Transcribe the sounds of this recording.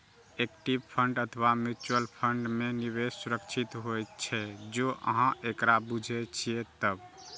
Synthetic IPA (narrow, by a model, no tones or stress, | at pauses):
ekʈibpʰəɳɖət̪ʰəβamuɾt͡ʃuəlpʰəɳɖmeniβessuɾəkt͡ʃʰit̪ɦojt̪t͡ʃʰɛd͡ʒoʔə̰ɦãʔekɾabud͡ʒʱɛt͡ʃʰiet̪əb